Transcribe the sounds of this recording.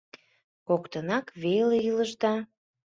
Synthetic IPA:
kokt̪ənɑkβeleiləʒd̪ɑ

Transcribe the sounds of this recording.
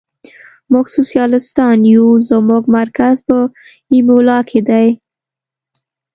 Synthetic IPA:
mʊɡsosjɑlɪst̪ɑnjuzəmuɡmaɾkazpə | imulɑkʰed̪aj

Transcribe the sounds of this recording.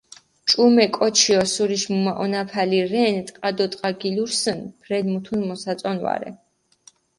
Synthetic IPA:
t͡ʃʼumɛkʼɔt͡ʃʰiɔsuɾiʃmumaʔɔnapʰaliɾɛnt̪ʼqʼad̪ɔt̪ʼqʼaɡiluɾsənpʰɾɛd̪mut̪ʰunmɔsat̪sʼɔnva̰ɾɛ̰

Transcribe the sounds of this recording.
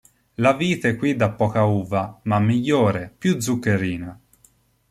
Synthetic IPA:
laviːt̪aɛkːwid̪ːapːɔːkauːvamamːiʎːoːɾepjud̪zːukːeɾiːna

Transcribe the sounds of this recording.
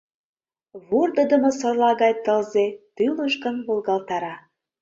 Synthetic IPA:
βurd̪ə̆d̪əmɤ̆sŏrlɑɣɑjt̪əlzet̪yləʃkənβolɣɑlt̪ɑɾɑ

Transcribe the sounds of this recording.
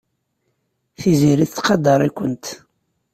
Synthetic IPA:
θiziɾiθt͡sːqɑd̪ɑɾˤikʷːənt̪

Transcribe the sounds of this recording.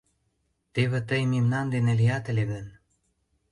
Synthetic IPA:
t̪eβĕt̪əjmimnɑnd̪enelijɑt̪ə̆lʲeɣən

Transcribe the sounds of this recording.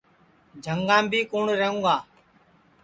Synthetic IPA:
d͡ʒʱəŋɡãːmbʱiːkuːɳɾəɦũːɡaː

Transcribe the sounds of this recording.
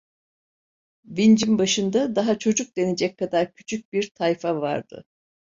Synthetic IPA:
vind͡ʒimbaʃɯnd̪ad̪aɦat͡ʃʰo̞d͡ʒuk̚d̪e̞ned͡ʒɛc̚kʰːad̪aɾcʰy̥t͡ʃʰyc̚biɾt̪ʰajfava̰ɾd̪̥ɯ̰

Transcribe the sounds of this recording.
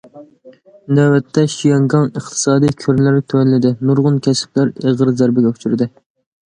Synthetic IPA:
næwɛt̪ʰːɛʃijɑŋɡɑŋəχt̪ʰɨ̥sɑːd̪ijkʲʰøɾnlɪɾt̪ʰønɪlɪd̪ɪnuɾʁʊnkʲʰɛsɪ̥p̚læɾeʁəɾzæɾbɪɡʲɛut͡ʃʰyɾɪd̪ɪ

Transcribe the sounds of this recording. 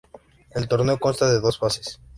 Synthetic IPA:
e̞lt̪o̞ɾneo̞ko̞nst̪aðe̞ðo̞sfase̥s

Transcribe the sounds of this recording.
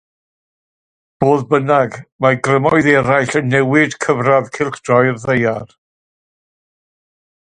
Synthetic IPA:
b̥oːðbənaɡmaɡrəmɔɨðɛɾajɬənːɛwɪdkʰəvraðkʰɪlˠχd̥ɔjrðejar

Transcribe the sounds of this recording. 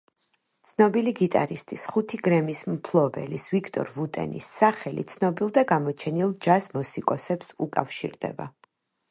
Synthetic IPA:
t̪sʰnɔbiliɡit̪ʼa̰ɾist̪ʼisχut̪ʰiɡɾɛmismpʰlˠɔbɛ̰lisvikʰt̪ʼɔ̰ɾvut̪ʼɛ̰nḭsːaχɛlḭt̪sʰnɔbilˠd̪aɡamɔt͡ʃʰɛnilˠd͡ʒasmɔsikʼɔsɛpsukʼa̰fʃḭɾd̪ɛ̰ba̰

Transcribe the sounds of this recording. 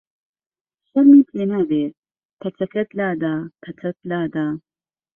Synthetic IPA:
ʃɐɾnipʰleːnabeːt̪̚ | pʰɐt͡sʰɐkɐt̪laːd̪aːpʰɐt͡sʰɐt̪̚laːd̪aː

